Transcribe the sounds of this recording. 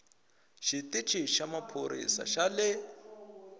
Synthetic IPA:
ʃitʼit͡ʃʰʼiʃamapʰoɾḭsa̰ʃalɪ

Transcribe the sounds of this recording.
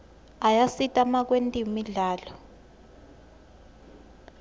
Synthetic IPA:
ajasitʼamak̬wentʼimiɮaːlɔ

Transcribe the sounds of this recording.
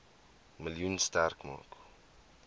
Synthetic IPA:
məljunstarkmɑ̰ːk

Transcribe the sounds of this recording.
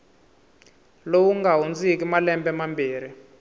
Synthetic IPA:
lowuŋɡaɦund͡zikimalɛmbɛmambiːɾi

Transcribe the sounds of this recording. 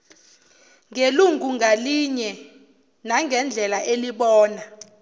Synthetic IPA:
ŋeluŋɡʱuŋaliɲɛ | naŋʱɛnd͡ɮʱɛlaʔeliɓɔːna

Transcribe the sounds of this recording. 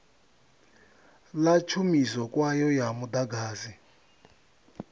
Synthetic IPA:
lat͡ʃʰumisɔkwajɔjamud̪aɡaːzi

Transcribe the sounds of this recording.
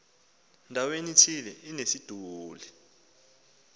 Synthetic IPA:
ndʱawenitʰilɛinesid̥ʱuːlɛ

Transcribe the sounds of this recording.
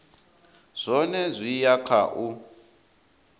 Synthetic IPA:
z̥ʷɔnɛzʷijakʰa̰ʔu

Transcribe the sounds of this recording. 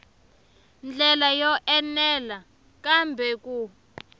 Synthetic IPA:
nd͡ɮɛlajɔʔɛnɛla | kambʱɛku

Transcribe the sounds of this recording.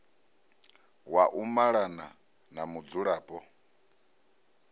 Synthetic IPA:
waʔumaɺana | namud͡zuɺaːpʼɔ

